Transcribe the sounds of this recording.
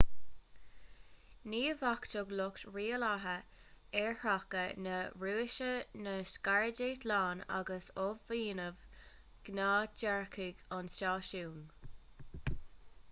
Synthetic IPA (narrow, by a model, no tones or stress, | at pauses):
niːvakt̪ʊɡlʊktɹiːəlaɦə | ɛɹhakənəɹuːʃənəskaɹədeːtlaːna̰ɡəsovːiːnəv | ɡ̥naːd͡ʒaɹkʰɪɡɔnsʃaːʃuːn